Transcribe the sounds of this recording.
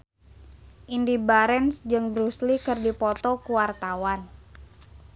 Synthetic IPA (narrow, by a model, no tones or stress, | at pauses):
ʔindibaɾɛnsd͡ʒɨŋbɾuslikɨrdipɔt̪ɔkuwart̪awan